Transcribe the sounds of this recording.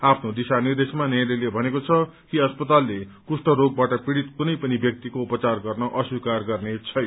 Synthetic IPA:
apʰnod̪isanird̪esmanejɾelebʱʌnekot͡sʰʌkiʌspʌt̪alːekusʈʌɾoɡ̚baʈʌpiɽit̪kunʌjpʌnibjʌk̚t̪ikoupʌt͡sarɡʌrnʌʔʌswikarɡʌrnet͡sʰʌj

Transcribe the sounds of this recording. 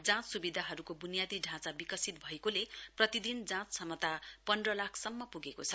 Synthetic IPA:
d͡zãt͡ssubid̪ʱaɦʌɾukobunijad̪iɖʱãt͡sabikʌsit̪bʱʌekoleprʌt̪id̪ind͡zãt͡ssʌmʌt̪apʌnrʌlakʰsʌmːʌpuɡekot͡sʰʌ

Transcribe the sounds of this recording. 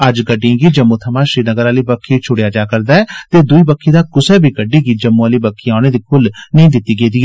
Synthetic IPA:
əd͡ʒɡəɖːiãːɡiːd͡ʒəmːõːt̪ʰəmãːʃɾiːnəɡəɾaːliːbəkʰːiːt͡ʃʰʊɽjaːd͡ʒaːkəɾd̪aːɛːt̪eːd̪ʊiːbəkʰːiːd̪aːkʊsɛːbiːɡəɖiːɡiːd͡ʒəmːõːaliːbəkʰːiaːñeːd̪iːkʰʊlnəĩːd̪ɪt̪ːiːɡeiːd̪iːɛː

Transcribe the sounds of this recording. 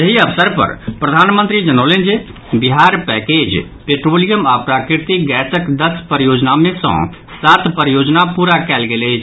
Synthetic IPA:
jəɦiəpsəɾpə̰ɾpɾəd̪ʱanmə̃nt̪ɾid͡ʒənolend͡ʒe | biɦaɾpɛked͡ʒ | peʈɾolijəmapɾakiɾt̪iɡɛsəkd̪əspəɾjod͡ʒnamẽsə̰̃ | sat̪pəɾjod͡ʒnapuɾakɛlɡelɛt͡ʃʰ

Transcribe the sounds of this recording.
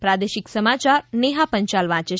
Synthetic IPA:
pɾad̪eʃiksəmat͡ʃaɾneɦapəɲt͡ʃalʋãt͡ʃe

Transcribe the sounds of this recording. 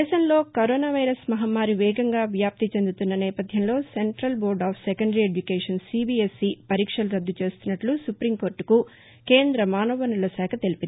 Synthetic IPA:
ɛːʃɐmlo̞ːkɐɾoːnaːʋɐjɾɐsmɐɦɐmːaːɾiʋɛːɡɐŋɡaːʋjaːp̚t̪it͡ʃend̪ut̪unːɐnɛːpɐd̪ʱjɐmlo̞ːseɳʈɾɐlboːɾɖaːpʰsɛkɐɳɖɐɾieɖjukeːʂɐnsibiesːipɐɾiːkʂɐluɾɐd̪ːut͡ʃe̞ːst̪unːɐʈlusupɾimko̞ːɾʈku | keːnd̪ɾɐmaːnoːʋɐnulɐsɛːkʰɐt̪elipii

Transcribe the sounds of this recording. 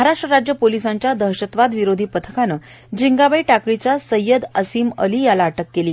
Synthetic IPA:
məɦaɾaʂʈɾəɾad͡ʑjəpolisaɲt͡ɕjad̪əɦɕət̪ʋad̪ʋiɾod̪ʱiːpət̪ʰə̥kanə | d͡ʑiŋɡabəiʈakɾit͡ɕjasəjːəd̪əsiːmə̰liːjalaːʈəkːeliː

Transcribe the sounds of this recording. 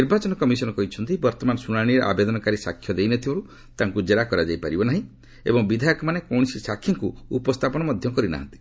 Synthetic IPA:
niɾbat͡ʃɔnɔkɔmisɔnɔkɔɦit͡ʃʰɔnt̪ibɔɾt̪ɔmanɔsuñaɽ̃iɾɔʔa̰bed̪ɔnɔkaɾisa̰kʰːjɔd̪ejnɔt̪ʰibɔɾu | t̪aŋkud͡ʒeɾakɔɾad͡ʒajpaɾibɔnaɦĩ | ḛbɔŋbid̪ʱajɔkɔmanekɔwɽ̃isisakʰːiŋkuupɔst̪ʰapɔñɔmɔd̪ʱjɔkɔɾina̰ɦɔ̰nt̪i̥

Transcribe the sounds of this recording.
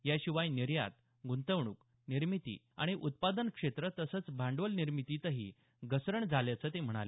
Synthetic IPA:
jaɕiʋajniɾja̰t̪̚ | ɡunt̪əʋɳ̃uːk | niɾmit̪ḭː | a̰ɽ̃iʔut̪̚pad̪ənkʂet̪ɾət̪əsəːt͡sbʱaɳɖʋəlniɾmit̪iːt̪əɦḭ | ɡəsɾəɳd͡zʱaljat͡səːt̪em̤əɽ̃a̰le

